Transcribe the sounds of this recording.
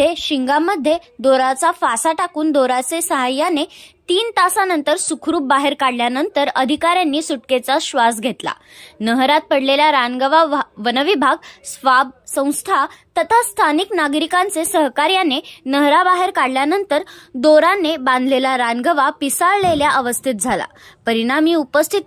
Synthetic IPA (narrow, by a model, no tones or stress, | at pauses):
eɕiŋɡaməd̪ʱːjed̪oɾat͡safasaʈakuːnd̪oɾat͡sesəɦajːanet̪iːnt̪asanənt̪əɾsukʰɾuːp̚baɦeɾkaɽljanənt̪əɾəd̪ʱikaɾjanːiːsuʈket͡saɕʋasɡʱet̪la̰ | nəɦɾat̪̚pəɽleljaɾanɡəʋaʋənəʋibʱaɡsʋab̚sə̃w̃st̪ʰat̪ət̪ʰast̪ʰaniknaɡɾikãnt͡sesəɦkaɾjanenəɦɾabaɦeɾkaɽljanənt̪əɾd̪oɾanːebãnd̪lelaɾanɡəʋapisaɭːeljaʔəʋəst̪ʰit̪̚d͡zʱala̰pəɾinamiːupəst̪ʰit̪̚